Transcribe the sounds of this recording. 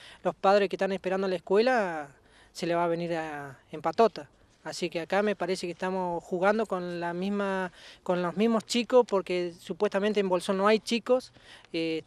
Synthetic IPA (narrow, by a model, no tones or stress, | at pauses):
lo̞spaðɾeskeht̪anespeɾand̪oalaeskwe̞la | se̞leβaβeniɾaempat̪ot̪aː | sikeakame̞paɾesekest̪amo̞sxuɣand̪o̞konlamizmakonlozmizmost͡ʃikospoɾkesupwe̞st̪ament̪embo̞lsonːoajt͡ʃikos | e